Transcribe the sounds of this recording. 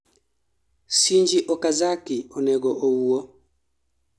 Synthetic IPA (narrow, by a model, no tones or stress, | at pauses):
siɲd͡ʒiʔɔkazakiɔnɛɡɔʔowuo